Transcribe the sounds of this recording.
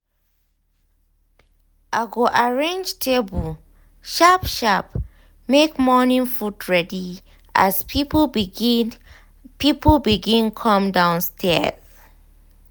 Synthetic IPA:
ʔaɡoʔaɹẽnd͡ʒtʰebu | ʃapʃap | mekmɔnĩnfudɹɛdi | ʔa̰spip | pipbiɡĩnkʰɔ̃mdãʊ̃nstʰɛz̥

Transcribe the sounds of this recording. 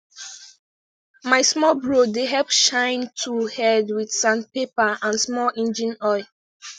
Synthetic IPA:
maɪsmɔlbɹodeɦɛlpʃãɪ̃ntʰuhɛdwidsãnpepaãnsmɔlɛ̃nd͡ʒĩnɔɪ

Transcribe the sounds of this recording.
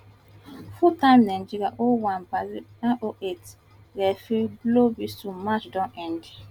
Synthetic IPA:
futãɪ̃mnãd͡ʒiɾiaʔowãnbaziãʔoʔet | ɾɛfiblobistumat͡ʃdãnʔɛ̃nd

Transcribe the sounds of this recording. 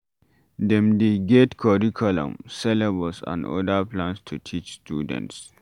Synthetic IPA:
dɛ̃mdeɡetkʰɔɹikʰulɔ̰̃msɛlɛbɔlsã̰nɔ̰daplãnstʰutʰit͡ʃstṵdɛ̰̃nts

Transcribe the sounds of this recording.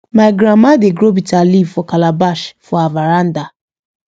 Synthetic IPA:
maɪɡɾamadeɡɾobitalivfɔkalabaʃfɔavaɾan̩da

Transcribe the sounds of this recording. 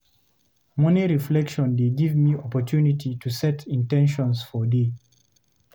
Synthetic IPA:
mɔ̃niɹiflɛkʃɔ̃ndeɡivmiɔpɔtʰjunitʰitʰusɛtʰĩntɛ̃nʃɔ̃nsfɔde

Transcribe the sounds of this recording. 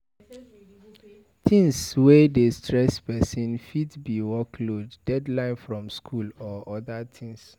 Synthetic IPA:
tʰĩŋswɛdestʰɹɛspɛsĩnfidbiwɔkʰloddɛdlãɪ̃nfɹɔ̃mskʰulɔɔdatʰĩŋs

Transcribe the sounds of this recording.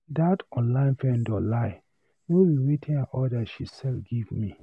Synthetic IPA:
datɔ̃nlãɪ̃nfɛ̃ndɔlaɪ | nowiwetʰĩnaʔɔdaʃisɛlfɡivmi

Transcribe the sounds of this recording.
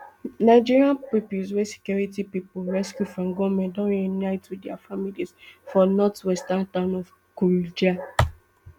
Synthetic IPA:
naɪd͡ʒiɹiãnpipuswɛse̥kjɔɹitipipolɹɛskjufɹɔ̃mɡɔmɛ̃ndɔ̃ɹɛnaɪtwidɛafamilisfɔnɔtwɛstantãnɔv | kud͡ʒa

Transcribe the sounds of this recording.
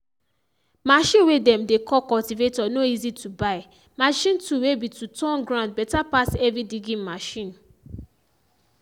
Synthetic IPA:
maʃĩnwedɛ̃mdekɔkɔltivetɔnoizitʰubaɪ | maʃĩntuwebitutɔ̃nɡɹãnd̚bɛtapasɛvidiɡĩmaʃĩn

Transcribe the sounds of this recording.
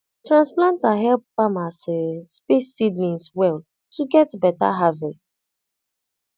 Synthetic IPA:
tɹãnsplãntaɦɛlp̚fãmasespesːidlĩnswɛl | tʰuɡɛtbɛta̰ɦavɛst

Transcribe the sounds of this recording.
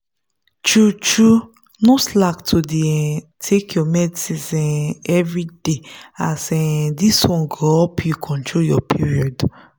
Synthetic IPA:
t͡ʃut͡ʃu | noslaktʰodiɛtʰekʰjɔmɛdsizɛ̃nɛvɾideasɛdisɔ̃ŋɡɔɔpjukʰɔ̃ntʰojɔpʰiɹiɔd

